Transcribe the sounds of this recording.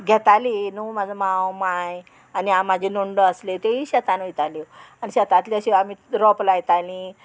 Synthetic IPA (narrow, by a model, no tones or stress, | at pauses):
ɡʱɛt̪aliːnumad͡zʱəmãwmaj | aniamad͡ʑʱinoɳɖəəslet̪eɦiɕat̪anit̪alianiɕɛt̪ãt̪liəɕiamiɾɔplajt̪alĩ